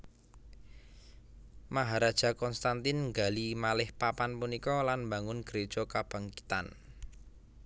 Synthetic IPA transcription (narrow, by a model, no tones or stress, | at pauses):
maɦaɾad̥ʒ̥a̤kɔnst̪ant̪ɪnŋɡalimalɪhpapanpunikɔlanmbaŋʊnɡ̥əɾed̥ʒ̥ɔ̤kab̥a̤ŋkit̪a̰n